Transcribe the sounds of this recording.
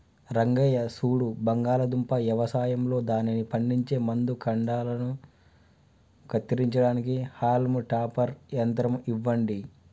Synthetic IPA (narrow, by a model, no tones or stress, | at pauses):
ɾɐŋɡɐjɐsuːɽubɐŋɡaːlɐd̪umpɐʋjɐʋɐsaːjɐmlo̞ːd̪aːninipɐɳɖiɲt͡ʃe̞ːmɐnd̪ukʰɐɳɖaːlɐnu | kɐt̪ːiɾiɲt͡ʃɐɽaːnikihaːlmuʈaːpɐɾjɐnt̪ɾɐmiʋːɐɳɖi